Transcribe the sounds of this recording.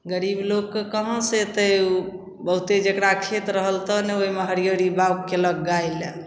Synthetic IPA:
ɡəɾiblokːekəɦə̃set̪əu | bəɦut̪ed͡ʒekɾakʰet̪ɾəɦəlt̪ɔnɛoɦimeɦəɾijəɾibawkkeləɡːaile

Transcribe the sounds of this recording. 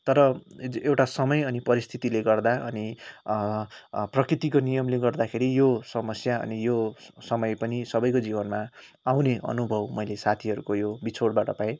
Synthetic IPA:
t̪ʌɾʌewʈasʌmʌjʌnipʌɾist̪ʰit̪ileɡʌrd̪aʔʌni | prʌkrit̪ikonijʌmleɡʌrd̪akʰeɾijosʌmʌsjaʌ̰nijosʌmʌjpʌnisʌbʌjkod͡zibʌnma | awneʔʌ̰nubʱʌbmʌjlesat̪ʰiɦʌɾukojobit͡sʰoɽbaʈʌpaẽ

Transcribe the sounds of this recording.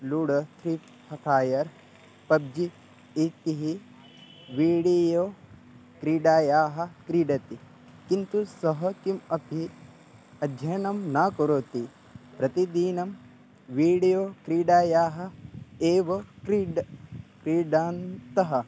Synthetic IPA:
luːɽɐt̪ʰɾiː | pʰɐt̪ʰaːjɐɾ | pɐb̚d͡ʒi | it̪iɦi | ʋiːɽijoː | kɾiːɖaːjaːɦɐ̆kɾiːɖɐt̪i | kint̪usɐɦɐkimɐpi | ɐd̪ʱjɐnɐmnaːkoɾoːt̪i | pɾɐt̪id̪iːnɐm | ʋiːɽijoːkɾiːɖaːjaːɦɐ̆eːʋɐkɾiɖkɾiːɖaːnt̪ɐɦɐ

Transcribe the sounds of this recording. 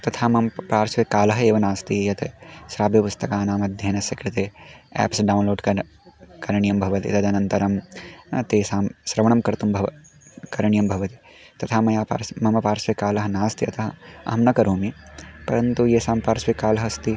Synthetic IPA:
t̪ɐt̪ʰaːmɐmpaːɾsʋekaːlɐɦɐeːʋɐnaːst̪ijɐt̪esɾaːbʱjɐpʊst̪ɐkaːnaːmɐd̪ʱjɐnɐsɐkɾɪt̪eɛ̰ːpsɖaːwnloːɖkɐ | kɐɾɐɳijɐmbʱɐʋɐt̪ḭt̪ɐd̪ɐnɐnt̪ɐɾɐmt̪eːsaːmsɾɐʋɐɳɐmkɐɾt̪umbʱɐʋɐ | kɐɾɐɳijɐmbʱɐʋɐt̪i̥ | t̪ɐt̪ʰaːmɐjaːpa̰ːɾsmɐmɐpaːɾsʋekaːlɐɦɐnaːst̪iɐt̪ʰɐɦɐɐ̰ɦmnɐkɐɾoːmipɐɾɐnt̪ujesaːmpaːɾsʋekaːlɐɦɐst̪i

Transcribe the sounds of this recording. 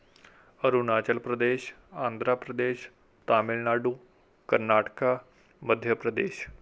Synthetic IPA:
əɾunaːt͡ʃəlpɾəd̪eːʃ | ãːnd̪ɾaːpɾəd̪eːʃ | t̪aːmɪlnaːɖũː | kəɾnaːʈkaː | məd̪ʱjəpɾəd̪eːʃ

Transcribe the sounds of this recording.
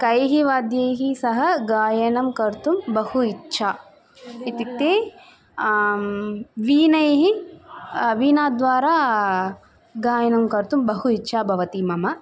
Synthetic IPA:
kɐjɦiʋaːd̪jɐjɦisɐɦɐ̆ɡaːjɐnɐmkɐɾt̪umbɐhuitːʃʰaː | it̪it̪ːeː | ʋiːnɐjɦi | ʋiːnaːd̪ʋaːɾaː | ɡaːjɐnɐmkɐɾt̪umbɐɦuitːʃʰaːbʱɐʋɐt̪imɐmɐ

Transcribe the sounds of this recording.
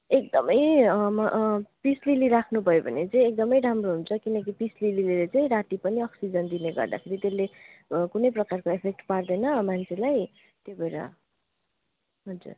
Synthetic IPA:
ek̚d̪ʌmʌj | pisliliɾakʰnubʱʌjobʱʌnet͡sʌĩek̚d̪ʌmʌjɾamroɦunt͡sʰʌkinʌkipislilililet͡saĩɾaʈipʌniʌksid͡zʌnd̪ineɡʌ̰rd̪a̰kʰeɾit̪elːekunʌjprʌkarkoepʰek̚ʈpard̪ʌjnʌmant͡sʰelaj | t̪jebeɾʌ̰ | ɦʌd͡zṵr

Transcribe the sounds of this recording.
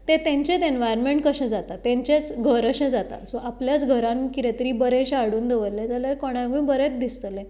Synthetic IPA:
t̪et̪ẽɲt͡ɕet̪enʋajəɾmeɳʈkəɕẽd͡zat̪at̪ɛ̃ɲt͡ɕet͡sɡʱəɾəɕẽd͡zat̪a̰soʔapljat͡sɡʱəɾãnkit̪et̪əɾiːbəɾẽɕaɽuːnd̪eʋəɾlẽd͡zaljaɾkɔɽ̃aɡmĩːbəɾɛ̃t͡sd̪ist̪lẽ

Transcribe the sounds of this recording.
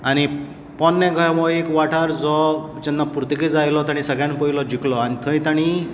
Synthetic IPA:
añi | pɔnːɛɡʱəjmɔekʋaʈʰaɾd͡zɔ | t͡ʃɛnːapuɾt̪ikid͡zajlɔt̪aɽ̃ĩsəɡjãnpəilɔd͡ʒikʰlɔañit̪ʰə̃ĩt̪aɽ̃i

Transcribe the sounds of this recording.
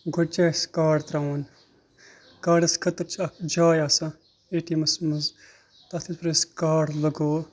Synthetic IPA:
ɡʱoʈ̚t͡ʃaskaːɖt̪ɾaːwn | kaːɖɐskʰɐt̪ɐt͡ʃʰɐkd͡ʒaːjaːsɐ | eʈimɐsmɐz | t̪at̪ʰispɾɐskaːɽlɐɡoː

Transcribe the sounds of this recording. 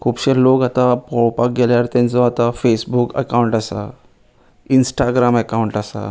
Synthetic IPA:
kʰuːpɕeɾlokat̪apɔwpak̚ɡelaɾt̪ẽnt͡sɔat̪afesbukə̰kawɳʈasa̰ | insʈaɡɾaməkawuɳʈasa̰

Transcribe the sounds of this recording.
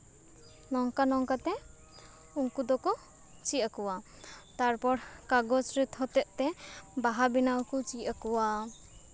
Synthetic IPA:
nɔŋkanɔŋkat̪ɛ | uŋkud̪ɔkɔ | t͡ʃiʔakuwa | t̪aɾpɔɾkaɡɔsɾit̪hɔt̪ɛʔt̪ɛbaɦabinawkɔt͡ʃiakuwa

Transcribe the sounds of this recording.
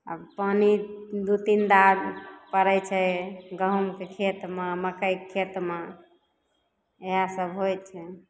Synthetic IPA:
ə̰panid̪ut̪ind̪apəɾɛt͡ʃʰɛɡəɦumkekʰet̪maməkəjkʰːet̪ma | eɦasəbʱɦojt͡ʃʰɛ

